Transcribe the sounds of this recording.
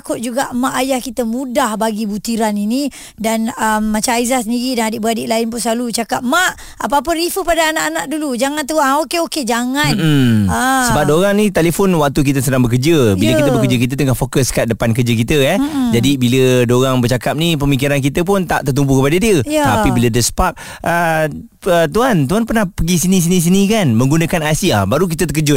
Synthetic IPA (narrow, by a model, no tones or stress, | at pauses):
kʊt̪̚d͡ʒuɡaʔmaʔajahkit̪əmũdahbaɡibut̪iɾanini | danəmːat͡ʃamaizahsəndiɾidanadɪʔbəɾadɪʔlaɪnpʊnsəlalut͡ʃakap̚maʔ | a̰p̬əap̬əɾifəpadaːnaʔanaʔdulud͡ʒaŋant̪uaokeoked͡ʒaŋann̩asəbap̚doɾaŋnĩt̪elefɔnwak̚t̪uk̬it̪əsədaŋbəkəd͡ʒəbilləkiəbəkəd͡ʒək̬it̪̬ət̪əŋahfokəskat̪̚dəpankərd͡ʒək̬it̪əɛd͡ʒadibilədoɾaŋbərt͡ʃakap̚nip̬əmik̬iɾank̬it̪əp̬ʊnt̪a̰ʔt̪ərt̪umbuhkəpadədiəapibilədəsə̥pap̚ | ə | ət̪uant̪̬uanpərnahpəɡisinis̬inĩs̬inĩkanmə̃ŋɡunəkanasiabaɾuk̬it̪ət̪ək̬əd͡ʒʊt̪